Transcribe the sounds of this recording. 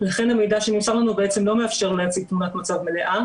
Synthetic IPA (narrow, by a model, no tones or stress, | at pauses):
laχe̞name̞jdaʃenimsaʁlanubeʔet͡semlo̞meafʃe̞ʁlejat͡siɡ̚t̪munat̪mat͡savme̞le̞ʔa